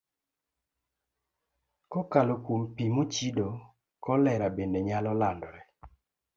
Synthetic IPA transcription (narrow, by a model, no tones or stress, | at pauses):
kɔkalokompimot͡ʃido | kɔlɛɾabendeɲalɔlandɔɾɛ